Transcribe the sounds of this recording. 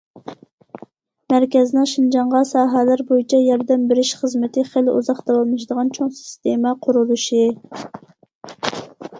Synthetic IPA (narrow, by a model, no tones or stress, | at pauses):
mæɾkʲɛznɨŋʃind͡ʒɑɴʁɑsɑːɦælæɾbojit͡ʃʰɛjɑɾd̪ɛmbɪɾɪʃχəzmɪt̪ʰɪχelṵzɑχd̪ɑwɑlˠmɨʃd̪əʁɑnt͡ʃʰoŋsi̥st̪emɛqʰʊɾulˠuʃi